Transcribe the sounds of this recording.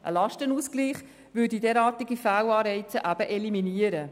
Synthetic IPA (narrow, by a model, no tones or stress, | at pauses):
ʔə̰lɑʃtənuːsɡ̥liːχ | ʋʏːdidɛːɾɑːtiɡifæːwɑːɾɛɪt͡səʔæb̥əʔɛliminiəɾə